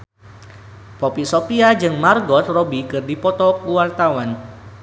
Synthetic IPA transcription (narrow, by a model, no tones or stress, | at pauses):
pɔpisopiad͡ʒɨŋmarɡɔt̪̚robikɨrdipɔt̪ɔkuwart̪awan